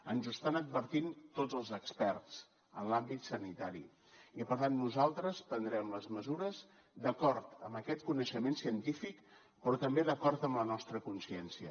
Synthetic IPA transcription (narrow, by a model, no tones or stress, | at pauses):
ənzəst̪anəd̪̚bəɾt̪int̪odd͡zəlˠzəkspɛrt͡s | ənlambit̪sənit̪aɾḭ | ipəɾt̪anːuzalˠt̪ɾəspənd̪ɾɛmləzməzuɾəz | d̪əkɔɾt̪əmbəkɛt̪̚kunəʃəmensiənt̪ifik | pɾɔt̪əmbeðəkɔrt̪əmlənɔst̪ɾəkunsiɛnsiə̰